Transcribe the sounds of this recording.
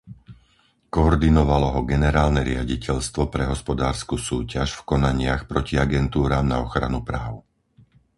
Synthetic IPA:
kɔɔɾd̪inɔʋalɔɦɔɡɛnɛɾaːlnɛɾɪa̰ɟicɛʎst̪ʋɔpɾɛɦɔspɔd̪aːɾskusuːcaʃfkɔnaɲɪaxpɾɔciaɡɛnt̪uːɾaːmnaɔxɾa̰nupɾaːʊ

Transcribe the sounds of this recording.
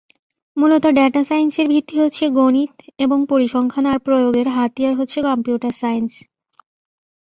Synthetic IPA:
mulot̪oɖɛʈasajnseɾbʱit̪ːiɦotːɕʰeɡonit̪eboŋpoɾiʃɔŋkʰanaɾpɾojoɡeɾɦat̪ijaɾɦotːɕʰekɔmpjuʈaɾsajns

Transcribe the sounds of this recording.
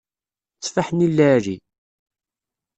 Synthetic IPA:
t͡sːfaħnilːæɾi

